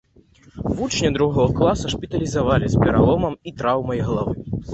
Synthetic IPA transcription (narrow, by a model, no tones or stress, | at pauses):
vut͡ʂnʲɐd̪ɾuɣɔɣɐklˠasɐʂpʲit̪ɐlʲizavalʲispʲɛɾa̰lˠɔmɐmit̪ɾawmɐjɣɐlˠavɨ